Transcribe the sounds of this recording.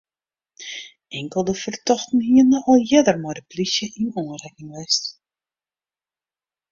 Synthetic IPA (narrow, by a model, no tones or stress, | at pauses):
ɛŋkəlˠdəfərtɔxtn̩hiənɔxɔlˠjɪdərmɔjdəplisjəʔinɔənrɛkɪŋʋɛst